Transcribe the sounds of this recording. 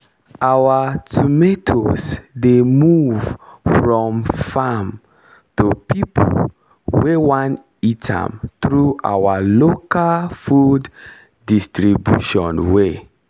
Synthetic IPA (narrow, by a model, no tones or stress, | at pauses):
awatʰumetʰosdemuv̥fɹɔ̃mfam | tupʰipʰo̰l | wewãn | itʰã̰mθɹuʔa̰walokalfudː | istɹibjṵʃɔ̰̃nwe